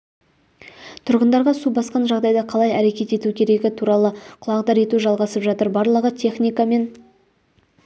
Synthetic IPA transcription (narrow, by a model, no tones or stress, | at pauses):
t̪ʰʊɾʁənd̪ɑɾʁɑsubɑsqɑnʒɑʁd̪ɑjd̪ɑqʰɑlˠɑjæɾe̞kʲe̞t̪e̞t̪ukʲʰe̞ɾe̞ɡʲɪt̪ʰuɾɑlˠəqʰʊlˠɑqd̪ɑɾe̞t̪uʒɑlˠʁɑsəpʒɑt̪əɾbɑɾlˠəʁət̪ʲʰe̞χnʲijkame̞n